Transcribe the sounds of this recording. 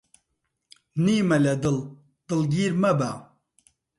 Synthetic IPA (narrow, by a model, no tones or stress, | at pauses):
niːmɐlɐd̪ɨl | d̪̥ɨlɡiːɾmɐba̰